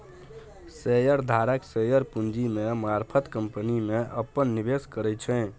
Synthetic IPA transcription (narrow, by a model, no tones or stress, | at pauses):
sejəɾd̪ʱaɾəksejəɾpund͡ʒimemaɾpʰət̪kəmpənimeʔəpːənːibeskəɾɛt͡ʃʰɛ̃